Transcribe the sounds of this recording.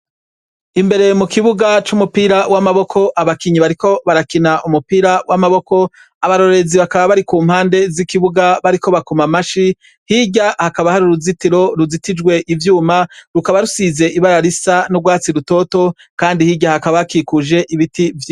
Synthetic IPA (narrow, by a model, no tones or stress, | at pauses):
imbe̞ɾe̞mukiβuɡat͡ʃumupiːɾawamaβo̞kʰo̞ʔaβakiɲiβaɾiko̞βaɾakinaʔumupiːɾawamaβo̞ko̞ | aβaɾo̞ɾe̞ziβakaβaβaɾikuːm̥haːnde̞zikiβuɡaβaɾiko̞βakomamaʃi | hiɟahakaβahaɾuɾuzitiɾo̞ɾuzitid͡ʒɡwe̞ʔivjuːmaɾukaβaɾusize̞ʔiβaɾaɾisanuɡwaːt͡siɾuto̞to̞ | kaːndihiɟahakaβakikuʒe̞ʔiβitivj